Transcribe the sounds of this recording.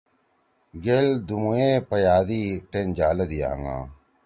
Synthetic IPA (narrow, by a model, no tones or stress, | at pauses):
ɡeld̪umuẽːpɐjaːd̪iːʈend͡ʒaːlɐd̪ija̰ːŋã̰ː